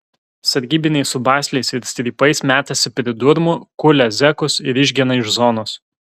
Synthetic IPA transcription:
sɐɾʲɡʲiːbʲɪnʲɛɪsʊbɑːsʲlʲɛɪsɪɾsʲt̪ʲɾʲiːpɐɪsmʲæːt̪ɐsʲɪpʲɾʲɪd̪ʊɾmʊkʊlʲɛzʲɛkʊsɪɾɪʒʲɡʲiɛnɐɪʒzɔnoːs

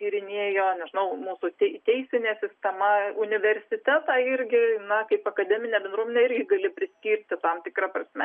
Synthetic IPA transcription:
kʲiːɾʲɪnʲiɛjoːnʲɛʒʲɪnɐʊmuːsʊt̪ʲɛt̪ʲɛɪsʲɪnʲeːsʲɪsʲt̪ʲɛmɐʊnʲɪʋʲɛɾʲsʲɪt̪ʲæt̪ɑːɪɾʲɡʲɪnɐkɐɪpɐkɐd̪ʲɛːmʲɪnʲɛːbʲɛnd̪ɾuɔmʲenʲɛɪɾʲɡʲɪɡɐlʲɪpʲɾʲɪsʲkʲiːɾʲt̪ʲɪt̪ɐmt̪ʲɪkɾɐprɐsʲmʲɛ

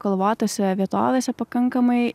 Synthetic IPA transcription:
kolˠʋɑːt̪osʲɛʋʲiɛt̪o̰ːʋʲeːsʲɛpɐkɐŋkɐmɐɪ

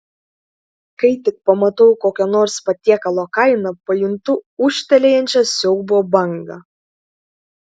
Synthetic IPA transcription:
kɐɪt̪ʲɪk̚pɐmɐt̪ɐʊkoːkʲɛnoːɾspɐt̪ʲiɛkɐlˠoːkɐɪnɐpɐjʊnt̪ʊʊʃʲt̪ʲɛlʲejɛnʲt͡ʃʲɛsʲɛʊbuɔbɐŋɡɐ

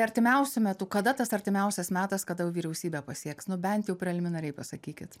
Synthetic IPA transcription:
ɐɾʲt̪ʲɪmʲɛʊsʲʊmʲɛt̪ʊkɐd̪ɐt̪ɐsɐɾʲt̪ʲɪmʲɛʊsʲɛsmʲæːt̪ɐskɐd̪ɐjʊʋʲiːɾʲɛʊsʲiːbʲɛːpɐsʲiɛksnʊbʲɛnt̪jɛʊpʲɾʲɛlʲɪmʲɪnɐɾʲɛɪpɐsɐkʲiːkʲɪt̪

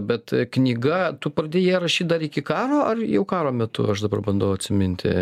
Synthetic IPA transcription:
bʲɛt̪knʲiːɡɐt̪ʊpɾɐd̪ʲeːjɛːɾɐʃʲiːt̪̚d̪ɐɾɪkʲɪkɑːɾoːʔɐrjɛʊkɑːɾoːmʲɛt̪ʊ̰ɐʃd̪ɐbɐrbɐnd̪ɐʊɐtʲsʲɪmʲɪnʲt̪ʲɪ̰

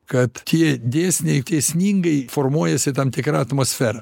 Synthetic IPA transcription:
kɐt̪tʲiɛd̪ʲeːsʲnʲɛɪt̪ʲeːsʲnʲiːŋɡɐɪfoːrmuɔjɛsʲɪt̪ɐmt̪ʲɪkɾɑɐt̪moːsʲfʲæːɾɐ

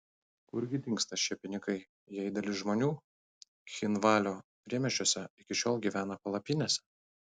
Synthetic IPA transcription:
kʊɾʲɡʲɪd̪ʲɪŋkst̪ɐsʃʲiɛpʲɪnʲɪkɐɪ | jɛɪd̪ɐlʲɪʒmoːnʲuː | xʲɪnʋɑːlʲoːpʲɾʲiɛmʲɛt͡ʃʲoɔsʲɛɪkʲɪʃʲoːlˠɡʲiːʋʲæːnɐpɐlˠɐpʲɪnʲeːsʲɛ

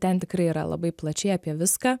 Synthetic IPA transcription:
t̪ʲɛnt̪ʲɪkɾɐɪiːɾɐ̰lˠɐ̰bɐɪplˠɐt͡ʃʲɛɪɐːpʲiɛʋʲɪskaː

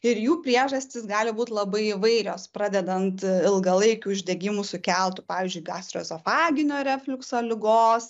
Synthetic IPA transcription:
ɪɾjuːpʲɾʲiɛʒɐsʲt̪ʲɪsɡɑːlʲɪbuːt̪ʲlˠɐbɐɪɪʋɐɪɾʲoːspɾɑːd̪ʲɛd̪ɐnt̪ɪlˠɡɐlˠɐɪkʲuːɪʒʲdʲɛɡʲɪmusʊkʲɛlˠt̪ʊpɑːʋʲiːzʲd͡ʒʊɪɡɑːst̪ɾʲoːzofɑːɡʲɪnʲoːɾʲɛfʲlʲɪksoːlʲɪɡoːs

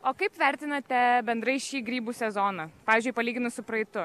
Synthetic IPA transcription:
oːkɐɪpʋʲɛɾʲt̪ʲɪnɐt̪ʲɛbʲɛnd̪ɾɐɪʃʲiːɡɾʲiːbuːsʲɛzoːnɐpɑːʋʲizʲd͡ʒʊɪpɐlʲiːɡʲɪnʊsʊpɾɐɪt̪ʊ

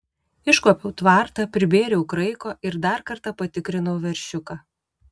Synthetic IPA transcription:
ɪʃkoːpʲɛʊt̪ʋɑɾt̪ɐpʲɾʲɪbʲeːɾʲɛʊkɾɐɪkoːʔɪɾd̪ɐɾkɐɾt̪ɑpɐt̪ʲɪkɾʲɪnɐʊʋʲɛɾʲʃʲʊkɑː

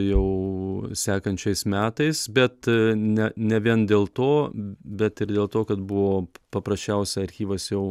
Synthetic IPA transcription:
jɛʊsʲæːkɐnʲt͡ʃʲɛɪsmʲæːt̪ɐɪsbʲɛt̪nʲɛnʲɛʋʲiɛnd̪ʲeːlˠt̪oːbʲɛt̪ɪɾd̪ʲeːlˠt̪oːkɐt̪bʊʋoːpɐpɾɐsʲt͡ʃʲɛʊsʲɛɐɾʲxʲiːʋɐsjɛʊ

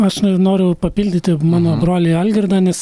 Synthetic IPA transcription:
ɐʃnɐnoːɾʲʊpɐpʲiːlʲd̪ʲɪt̪ʲɪmɑːnoːbroːlʲeɐlʲɡʲɪrd̪ɑnʲɛs

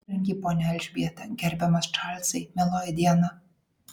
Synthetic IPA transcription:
ɛŋʲɡʲiːpoːnʲɛlʲʒʲbʲiɛt̪ʲɛɡʲɛɾʲbʲɛmɐsʃɑːlʲt̪sɐɪmʲɛlˠoːjɛd̪ʲiɛnɐ

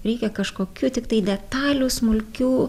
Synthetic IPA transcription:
ɾʲɛɪkʲɛkɐʃkoːkʲuːt̪ʲɪkt̪ɐɪd̪ʲɛt̪ɑːlʲuːsmʊlʲkʲuː

